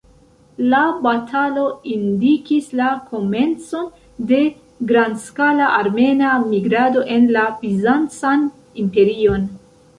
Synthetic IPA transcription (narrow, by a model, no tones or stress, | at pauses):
labatʰalo̞indikislakʰo̞me̞nt͡so̞n | de̞ | ɡɾandskalaʔaɾme̞namiɡɾado̞ʔe̞nlapizant͡san | impe̞ɾio̞n